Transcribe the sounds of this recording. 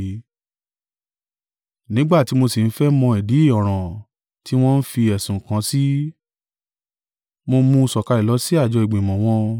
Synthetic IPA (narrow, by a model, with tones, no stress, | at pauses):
nĩ˨˦ɡ͡ba˦˨ti˨˦mo˧si˨n̩˦fɛ˦mɔ̃˧ɛ˨di˨˦i˦˨ɔ˨ɾ̃ã˨ | ti˦w̃ɔ̃˦n̩˦fi˧ɛ˨sũ˨kã˨˧˦si˦ | mo˧mũ˧sɔ˨ka˧ɾɛ˨lɔ˨˦si˦a˦˨d͡ʒɔ˧˦i˨ɡ͡bẽ˨mɔ̃˨w̃ɔ̃˧